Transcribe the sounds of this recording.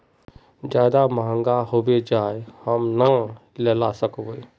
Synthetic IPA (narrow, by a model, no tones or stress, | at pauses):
d͡ʒjaːd̪amaə̃ŋɡaɦowed͡ʒaːehəmna | lelasəkowe